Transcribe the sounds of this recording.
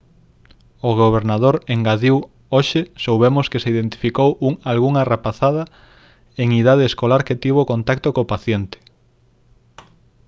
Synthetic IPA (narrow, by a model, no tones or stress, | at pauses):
oɣoβ̞eɾnað̞oɾeŋɡaðiw | oʃesowβemoskeseiðent̪i̥fikowuŋalɣuŋarapaθað̞ɐ | eŋiðað̞eeskolaɾket̪iβ̞okont̪ak̚t̪okopaθjent̪ɪ̥